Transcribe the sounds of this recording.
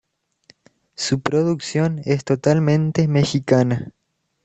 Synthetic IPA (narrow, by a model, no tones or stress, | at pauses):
supɾoðuksjonest̪ot̪almẽnt̪emexikana